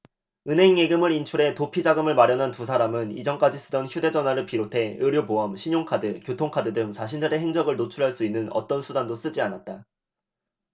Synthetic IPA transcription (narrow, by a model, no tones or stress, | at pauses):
ɯnɦe̞ŋjeɡɯmɯɾint͡ɕʰuɾe̞topʰid͡ʑaɡɯmɯɭmaɾjʌnɦantusʰaɾamɯnḭd͡ʑʌnk͈ad͡ʑis͈ɯdʌnçjude̞d͡ʑʌnwaɾɯɭpiɾotʰe̞ɯɾjoboʌmɕʰiɲoŋkʰadɯkjotʰoŋkʰadɯdɯmt͡ɕaɕ̬ʰindɯɾe̞ɦeŋd͡ʑʌɡɯɭnot͡ɕʰuɾɦaɭs͈uinːɯnʌ̰t͈ʌnsʰudandos͈ɯd͡ʑianat̚t͈a